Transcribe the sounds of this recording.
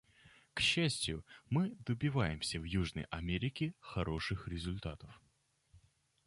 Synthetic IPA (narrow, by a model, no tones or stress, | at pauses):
kɕːæsʲtʲjʊmɨd̪əbʲɪvajɪmsʲəvjuʐnə̰jʔɐmʲeɾʲɪkʲɪxɐɾo̞ʂɨxɾʲɪzʊlʲt̪at̪əf